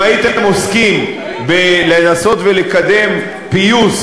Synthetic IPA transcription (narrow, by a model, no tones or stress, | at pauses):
ait̪emoskim | belenaso̞t̪velekad̪e̞m | pijus